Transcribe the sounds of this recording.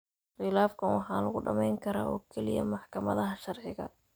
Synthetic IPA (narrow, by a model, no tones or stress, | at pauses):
χɪlaːfkʰɐnwɑħɑːlɐɣʊɖɐmɛjŋkʰɐɾaːʔɔːkʰɛlɪjɐ̰mɑħkʰɐmɐðɐɦɐʃɑrʕɪɣɐ̰